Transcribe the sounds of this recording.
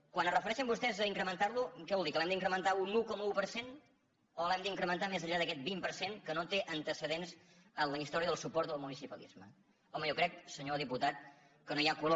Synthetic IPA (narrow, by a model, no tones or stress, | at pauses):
kwanərəfəɾɛʃəmbust̪ɛzəiŋkɾəmənt̪aɾlukɛβɔlˠd̪ikəlɛmd̪iŋkɾəmənt̪aunukɔməupəɾsen | olɛmd̪əiŋkɾəmənt̪amezəʎaðəkɛt̪̚bimpəɾseŋkənot̪eʔənt̪əsəðenz | ənləist̪ɔɾiəðəlˠsupɔɾt̪̚d̪əlˠmunisipəlḭzmə | ɔməjɔkɾɛk̚səɲoðiput̪at̪̚ | kənoiakulo